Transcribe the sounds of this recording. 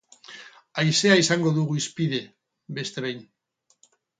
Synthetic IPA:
ajse̞aisaŋɡo̞ðuɣuispiðe̞ | be̞st̪e̞βejn

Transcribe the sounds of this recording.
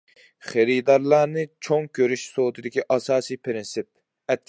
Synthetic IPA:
χeɾid̪ɑɾlˠɑːnɨt͡ʃʰoŋkʲʰøɾyʃsod̪ɨd̪ɪkʲiʔɑsɑːsijpʰɾɪnsɪp̚ | ɛt̪̚ʲ

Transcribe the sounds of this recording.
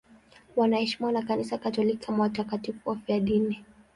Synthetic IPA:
wanahɛʃimanakanisakatɔliki̥kʰamawatakatifuwafiaɗini

